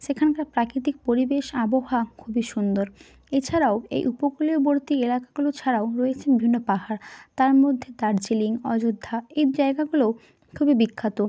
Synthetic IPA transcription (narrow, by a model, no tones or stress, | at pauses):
ʃekʰankaɾpɾakɾit̪ik̚poɾibeʃaboɦakʰubiʃund̪oɾ | et͡ɕʰaɾaoḛjʔupokulioboɾt̪ielakaɡulot͡ɕʰaɾaoɾɔet͡ɕʰenbibʱinːopaɦaɾt̪aɾmod̪ʱːed̪aɾd͡ʑiliŋɔd͡ʑod̪ʱːaejd͡ʑaeɡaɡulo | kʰubibikʰːat̪o